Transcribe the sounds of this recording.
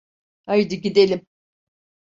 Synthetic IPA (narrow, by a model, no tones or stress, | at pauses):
ajd̪ɯɟid̪elʲim